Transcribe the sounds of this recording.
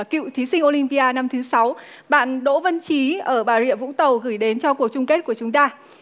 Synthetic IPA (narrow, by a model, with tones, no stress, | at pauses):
kḭ˧˨wt̪ʰi˨˦si˧ŋ̟ʔo˧lï˧mpi˧ʔaː˧na˧mt̪ʰɨ˨˦sa˨˦w | ɓa̰ː˧˨nɗo̰˧˥və˧nt͡ɕi˨˦ʔəː˧˩ɓaː˨˩zḭ˧˨əv̰ŋ͡mt̪ə˨˩wɣɨ˧˩jɗe˨˦nt͡ɕɔ˧ku˨˩ək̚t͡ɕʊ˧ŋ͡mke˦˥t̚ku˧˩ət͡ɕʊ˨˦ŋ͡mt̪aː˧